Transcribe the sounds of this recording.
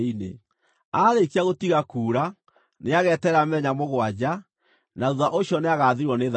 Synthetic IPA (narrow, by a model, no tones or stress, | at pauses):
inḛ | aːɾekiaɣotiɣakuːɾa | neaɣɛːtɛɾamɛɲamoɣwad͡ʑa | naðuðaʔoɕiɔneaɣaðeɾwɔneð